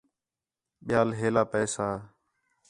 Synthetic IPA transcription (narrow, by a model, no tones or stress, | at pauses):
ɓɪjaːlɦeːlaːpɛːsaː